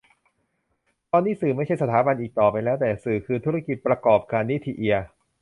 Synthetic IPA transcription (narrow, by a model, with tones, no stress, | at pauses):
t̪ɔː˧nːiː˦˥˩sɯː˨˩ma˥˩jt͡ɕʰa˥˩jsa˧t̪ʰaː˩˦ba˧nʔiː˨˩k̚t̪ɔː˨˩pa˧jlɛː˦˥wt̪ɛː˨˩sɯː˨˩kʰɯː˧t̪ʰu˦˥ɾa˦˥˩ki˨˩t̪̚pɾa˧kɔː˨˩p̚kaː˧nːi˦˥t̪ʰːi˧ʔi˧ɐ